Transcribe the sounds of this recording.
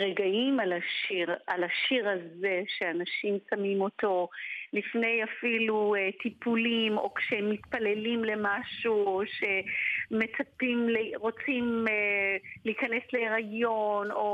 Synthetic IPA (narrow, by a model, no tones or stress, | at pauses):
ʁeɡaimalaʃiʁalaʃiʁhaze̞ʃeanaʃimsamimo̞to̞lifne̞jafilut̪ipulimo̞kʃemːitpale̞limle̞maʃuoʃe̞me̞t͡sapimleʁo̞t͡simeliːkanesleiʁajo̞no̞